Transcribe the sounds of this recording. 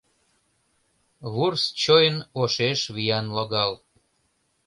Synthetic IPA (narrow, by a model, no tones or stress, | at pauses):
βurst͡ɕojənoʃeʃβijɑnloɣɑl